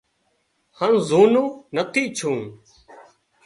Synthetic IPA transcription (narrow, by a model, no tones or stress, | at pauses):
hənzuːnũːnət̪ʰiːt͡ʃʰũː